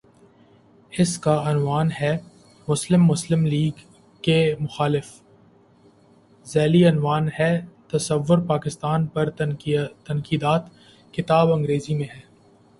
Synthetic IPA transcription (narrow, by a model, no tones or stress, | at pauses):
hɪskaɐnʋaːnɦɛː | mʊslɪmːʊslɪmliːɡ | kemʊxaːlɪf | zɛːliɐnʋaːnɦɛt̪ɐsəʋːʊɾpaːkɪst̪aːnpɐɾt̪ɐ̃nkiːd̪aːt̪ | kɪt̪aːbɐ̃ŋɡɾeːzimẽɦɛː